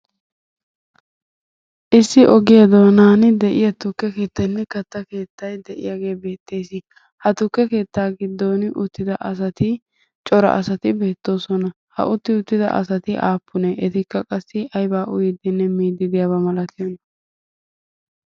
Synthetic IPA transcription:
ʔɪsːɪʔɔɡɪjad̪oːnaːnɪd̪ɛʔɪjɐt̪ʊkːɛke̞ːt̪ːɐnːɛkɐt̪ːɐke̞ːt̪ːɐjd̪ɛʔɪ̰jaɡe̞ːbe̞ːt̪ːe̞ːsɪ | hɐt̪ʊkːɛke̞ːt̪ːaːɡɪd̪ːo̞ːnʔʊt̪ːɪd̪ɐʔɐs̬ɐt̪ɪ | t͡ʃʼɔɾɐ̰ʔɐ̰sɐt̪ɪbe̞ːt̪ːo̞ːsɔnɐ | hɐ̰ʔʊt̪ːɪʊt̪ːɪd̪ɐ̰ʔɐ̰sɐt̪ɪʔaːpʰːʊnɛʔɛt̪ɪkːɐkʼɐsːɪɐjbaːʔʊjɪd̪ɪnːɛmiːd̪ːɪd̪ɪjabɐmɐlɐt̪ɪɔn

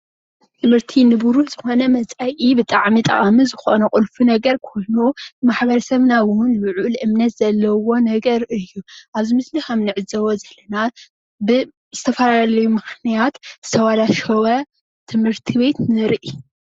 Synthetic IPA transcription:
t̪ʰɨmhɨɾt̪ʰinɨbuɾuħz̥ɨxo̞nɐmɐt͡sʼajʔibɨt̪ʼaʕmit̪ʼɐ̰χʼamizɨxo̞nɐkʼɨlfunɐɡɐɾkʰo̞jnumaħbɐɾɐsɐβnaβwunluʕuʔlʔɨmnɐt̪z̥ɐlːɐwo̞nɐɡɐɾɨjːuʔaβzimɨslixɐmnɨʕɨzɐwozɐlːɐna | bɨ | zɨt̪ʰɐfɐlaalɐjumɨxnijat̪ɨ̥sʰɐwalaʃowɐ | t̪ʰɨmhɨɾt̪ʰiβe̞t̪nɨɾʔi

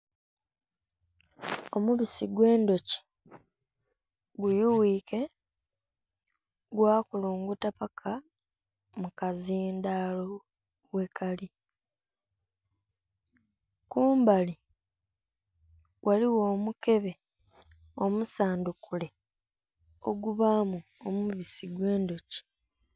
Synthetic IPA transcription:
o̞muβisiɡwe̞ːndo̞ci̥ | ɡujuwiːke̞ | ɡwaːkuluːŋɡutapakʰa | mukaziːndalo | we̞kali | kuːmbali | wʔaliwo̞ːmuke̞βe̞ | o̞musaːndukule̞ | o̞ɡuβamuomuβisiɡwe̞ːndoci̥

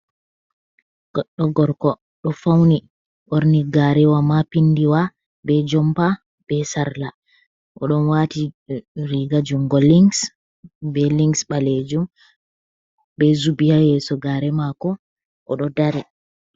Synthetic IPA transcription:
ɡɔɗɔɡɔɾkɔ | ɗɔfawni | ʔɔɾniɡaɾɛwamapindiwa | bɛd͡ʒɔmpa | b̥ɛsaɾla | ʔɔ̰ɗɔnwatiɾiɡad͡ʒuŋɡɔliŋɡs | bɛliŋɡsɓaled͡ʒum | bɛzubijajɛsɔɡaɾɛmakɔ | ʔɔ̰ɗɔdaɾɛ

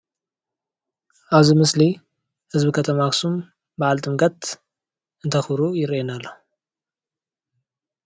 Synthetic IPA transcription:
ʔaβzimɨsli | hɨzbɨkʰɐt̪ʰɐmaksum | baʕalt̪ʼɨmɡʼɐt̪ | ɨnt̪ʰɐxɾujɪɾenalːo

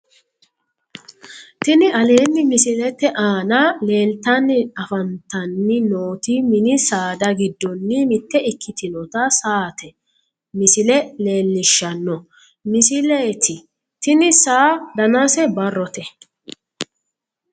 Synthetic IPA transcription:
t̪ɪnɪʔɐle̞ːnːɪmɪsɪlɛt̪ːɛʔaːnale̞ːlt̪ɐnːɪɐfɐnt̪ɐnːɪnoːt̪ɪmɪnɪsaːd̪ɐɡɪd̪ːɔnːɪmɪt̪ːɛɪkʰːɪt̪ɪnɔt̪ɐsaːt̪ɛ | mɪsɪlɛle̞ːlːɪʃːɐnːɔ | mɪsɪleːt̪ɪ | t̪ɪnɪsaːd̪ɐnasɛbɐrːɔt̪ɛ

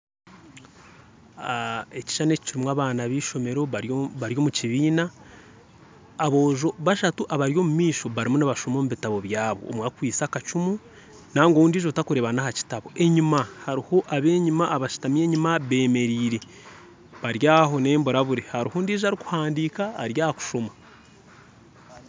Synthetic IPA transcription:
eci̥ʃaneci̥ciɾimwaβaːnaβiːʃo̞me̞ɾo̞βaɾjo̞muciβiːna | βo̞ːʒo̞βaʃatuʔaβaɾjo̞mumiːʃo̞βaɾimunaβaʃomomuβitaβo̞βjaːβo̞̰ːmwakwiːt͡sakat͡ʃumu | naŋɡouːndiːʒotakuɾe̞ːβanahaci̥taβo̞ʔe̞ɲimahaɾiho̞ʔaβe̞ːɲimaːβaʃi̥tamje̞ːɲimaβe̞ːme̞ɾiːɾe̞ | βaɾjaːɦo̞ne̞ːmboɾaβuɾehaɾihuːndiːʒaɾiku̥haːndikaːɾjaːhaku̥ʃo̞ma

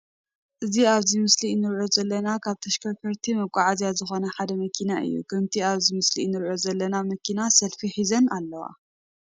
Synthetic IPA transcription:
ʔɨziaβzimɨsliɨnːɨɾʕozɐlːɐnakʰaβt̪ʰɐʃkʰɐɾkɐɾt̪ʰimɐkʷʼaʕazjazɨxo̞nɐħad̪ɐmɐkʰinaʔɨ̰jːṵkʰɐmt̪ʰiaβzimɨsliɨnːɨɾʕozɐlːɐnamɐkʰinasɐlfiħizɐnalːɐwa̰

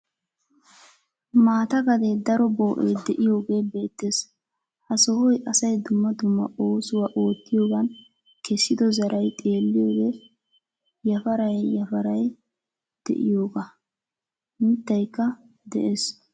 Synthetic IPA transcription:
maːt̪ɐɡɐd̪ed̪ɐɾɔboːʔḛjd̪ɛʔɪjo̞ːɡe̞ːbe̞ːt̪ːeːs | hɐsɔhɔjʔɐsɐjd̪ʊmːɐd̪ʊmːɐ̰ʔo̞ːsʊwɐʔo̞ːt̪ːɪjo̞ːɡɐn | kɛsːɪd̪ɔzɐɾɐjt̪ʼe̞ːlːɪjo̞ːɡe | jɐfɐɾɐjːɐfɐɾɐj | d̪̥ɛ̰ʔɪ̰jo̞ːɡɐ | mɪt̪ːɐjkːɐ | d̪ɛ̰ʔeːs

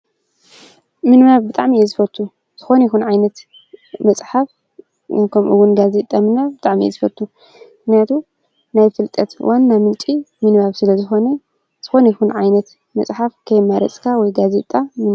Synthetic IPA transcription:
mɨnβaβbɨt̪ʼaʕmiɛzɨfɐt̪ʰʼːu | z̥ɨxo̞njixunʕajnɐt̪ | mɐt͡sʼħaf | kʰɐmʔɨ̰wunɡazet̪ʼamɨnaβbɨt̪ʼaʕmḭɛ̰zɨfɐt̪ʼːu | mɨxnijat̪ʰu | najfɨlt̪ʼɐt̪wʔanːamɨlt͡ʃʼimɨnβaβsɨlɐzɨxo̞nɐ | z̥ɨxo̞nɐjixunʕajnɐt̪ | mɐ̰t͡sʼħafkʰɐjmaɾɐ̰t͡sʼkʰawɔjɡazet̪ʼamɨn

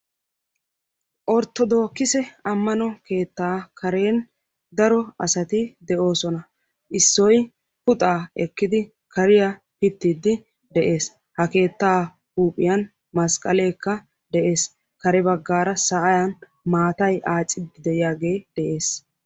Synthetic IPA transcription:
ʔɔɾt̪ːɔd̪o̞ːkːɪsɛɐmːɐnɔke̞ːt̪ːaːkɐɾe̞ːn | d̪ɐɾɔɐsɐt̪ɪd̪ɛʔo̞ːsɔnɐ | ʔɪsːɔj | pʊt̪ʼaːɛkːɪd̪ɪ | kɐɾɪjɐ | pɪt̪ːid̪ːɪ | d̪ɛʔe̞ːs | hɐke̞ːt̪ːaː | huːpʼːɪjɐn | mɐskʼɐle̞ːkːɐ | d̪ɛʔe̞ːs | kɐɾɛbɐɡːaːɾɐsɐʔɐjɐn | maːt̪ɐjʔaːt͡sʼːɪd̪ɪd̪ɛɪjaːɡe̞ːd̪̥ɛʔe̞ːs

